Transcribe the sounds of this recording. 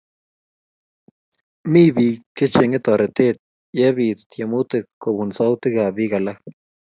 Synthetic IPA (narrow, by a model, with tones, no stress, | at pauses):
mi˦bi˧ke˦t͡ʃe˧ŋe˦t̪a˨ɾe˨t̪e˦t̪̚ | je˦bi˧t̪t̪je˨mu˦t̪e˦˧kko˨bu˨nsa˦wt̪e˦ɡa˨bi˦ɡa˨la˦k